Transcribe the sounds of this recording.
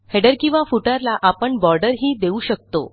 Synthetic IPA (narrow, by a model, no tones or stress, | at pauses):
heɖəɾkĩw̃ʋafuʈaɾlaʔapəɳbɔɾɖəɾɦiːd̪euːɕək̚t̪o̰